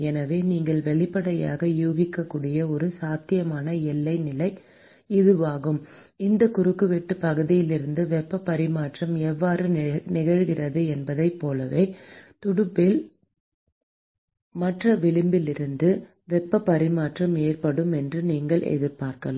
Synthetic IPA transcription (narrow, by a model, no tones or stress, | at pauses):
ɛnɐʋeːniːŋɡɐɭʋɛɭɪpːɐɽɐja̰ːɣɐjuːɣɪkːɐkːuːɽɪjɐɔɾɯsaːt̪ːɪjɐmaːnɐɛlːɐɪnɪlɐɪ | ɪðɯʋaːɣɯmɪnd̪ɐkʊɾɯkːɯʋɛʈːɯpɐɣɯðɪjɪlɪɾɯnd̪ɯʋɛpːɐpːɐɾɪmaːʈrɐmɛʋːaːɾɯnɪɣɐɻɣɪrɐðɯɛnbɐðɐɪpːoːlɐʋeːt̪ʊɽɯpːɪl | mɐʈrɐʋɪɭɯmbɪlɪɾɯnd̪ɯ | ʋɛpːɐpːɐɾɪmaːʈrɐmeːrpɐɽɯmɛndrɯniːŋɡɐɭɛ̰ðɪɾpaːɾkɐla̰ː